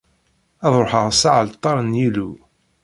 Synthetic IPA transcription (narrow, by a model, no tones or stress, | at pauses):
ɑðˤɾħəʁsaʕəlt̪ˤːɑɾˤnjilu